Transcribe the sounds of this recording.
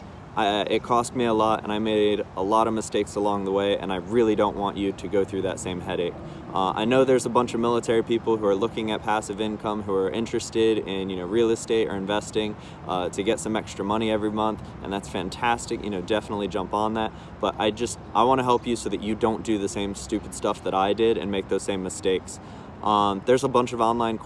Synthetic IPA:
ʔɪ̰t̚kʰɔst̚miəlɔɾɨ̰̃naɪmeɪɾəlɔɾʌvmɨsteɪksəlɔ̃ŋðəweɪʔɨ̰̃naɪɹɪlˠidõʊ̃nʔwɑ̃nt͡ʃɨɾɨɡoʊθɹʉðɨ̰tsẽɪ̃mɦɛɾeɪk | ʔa̰ɪnoʊðə˞zəbʌ̃nt͡ʃʌvmɪlˠətʰɛɹipipl̩ˠɦuə˞lʊkɪ̃ŋɨt̚pʰæsɨvɪ̃nkʰʌ̃mɦuə˞ʔɪ̰̃nt͡ʃɹ̥ɨstɪɾɪ̃njɨnoʊɹil̩ˠɨsteɪɾə̰˞ɨ̃ɱvɛstɪ̃ŋ | ʔʌtʰɨɡɛtsʌ̃mɛkstɹ̥əmʌɾ̃iɛvɹimʌ̃nθ | ʔɨ̰̃nðætsfæ̃ntʰæstɨkjɨ̰ñoʊdɛfənətˡlid͡ʒʌ̃mpn̩ðæt̚ | b̥ʌɾʔa̰ɪd͡ʒʌst̚ʔaɪwɑ̃ɾ̃ɨɦɛlˠpjɨsoʊðɨt͡ʃɨdõʊ̃nd̥ɨðɨsẽɪ̃mstʉpɨd̥stʌfðəɾaɪdɪɾɨ̰̃nmeɪk̚ðoʊz̥sẽɪ̃mːɨsteɪks | ʔʌðə˞zəbʌ̃nt͡ʃʌvɑ̃nlãɪ̃nkʰ

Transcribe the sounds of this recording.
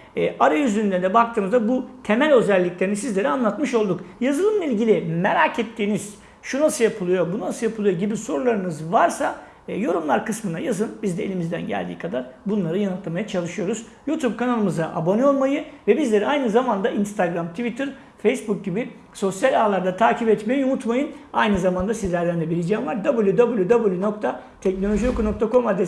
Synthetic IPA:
ɛʔaɾajyzyynd̪ɛnd̪ɛbak̚t̪ʰɯːmɯzd̪abut̪ʰe̞mælʲø̞zælʲːiclʲeɾinisizlʲe̞ɾianlˠat̪mɯʃo̞lˠd̪ukjazɯlˠɯmlˠailʲɟilʲimeɾacet̪ʰːiːniz̥ | ʃunasɯjapʰɯlˠɯjo̞bunnasɯjapʰɯlˠɯjo̞ɟibiso̞ɾulˠaɾɯnɯzvaɾsa | jo̞ɾumlˠaɾkɯsmɯna̰jazɯnbizd̪ɛḛlʲimizd̪æ̰nɟæ̰lʲd̪iːkʰad̪aɾbunlˠaɾɯjanɯt̪ʰlˠamajat͡ʃʰalˠɯʃɯjo̞ɾuz̥ | juːt̪ʰub̚kanalˠɯmɯzaʔabo̞nio̞lˠmajɯvɛbizlʲe̞ɾiajnɯzamand̪ainst̪ʰaɡɾamt̪ʰvit̪ʰiɾ | fejsbuk̚ɟibi | so̞sjalʲaːlˠaɾd̪at̪ʰaːcʰipɛt̪mejinumut̪majɯnajnɯzamand̪asizlʲæɾd̪ænd̪ɛbiɾʲid͡ʒɛmlˠaɾd̪abɯlˠjud̪abɯlˠjud̪abɯlˠjunok̚t̪ʰa | t̪ʰɛc̚no̞lʲo̞ʒijokuno̞k̚t̪ʰakʰo̞mad̪ɛ

